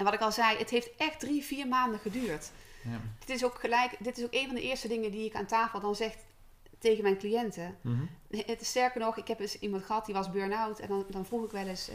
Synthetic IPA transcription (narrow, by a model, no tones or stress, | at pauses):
ʔɛnʋɑtɪkɑlˠzɛjətɦejftʔɛxtdriviːɹmaːndəχədyːɹt | d̥ɪtɪs̬okχəlɛjkdɪtɪsowkejnvɑndəʔɪːɹstədɪŋədiɪkaːntaːfəlˠdɑnzɛxt | tejɣənmɛjnklijɛntə | ətɪstɛɹkəɹnɔχɪkɦɛpdsimɑntχəɦɑt̚diʋɑzbøːɹnawtɛ̰ndɑnvruχɪkʋɛlɪs